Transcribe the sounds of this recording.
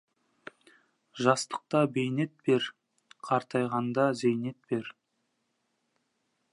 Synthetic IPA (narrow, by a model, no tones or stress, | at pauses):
ʒɑst̪ə̥q̚t̪ɑbejne̞t̪̚be̞ɾ | qʰɑɾt̪ɑjʁɑnd̪ɑzejne̞t̪̚be̞ɾ